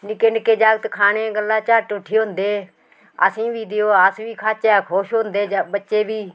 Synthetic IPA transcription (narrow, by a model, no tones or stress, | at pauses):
nɪkeːnkeːd͡ʒaːɡt̪kʰaːneːɡəlːaːt͡ʃaːʈoʈʰːiːɦoʊnd̪eː | a̰ːsĩːʋiːɗɪjoːaːsʋiːkʰaːt͡ʃaːkʰoːʃond̪eːbətːʃeːbʱiː